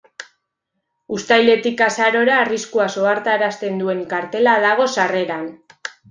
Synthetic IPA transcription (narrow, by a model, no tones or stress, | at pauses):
ust̪ajle̞t̪ikasaɾo̞ɾaːriskuaso̞aɾt̪aeɾast̪e̞nd̪ue̞ŋkaɾt̪e̞laðaɣ̞o̞sare̞ɾan